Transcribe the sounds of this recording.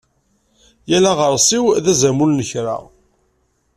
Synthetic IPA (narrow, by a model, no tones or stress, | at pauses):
jælaʁəɾˤsˤiwðæzæmulnəçɾa̰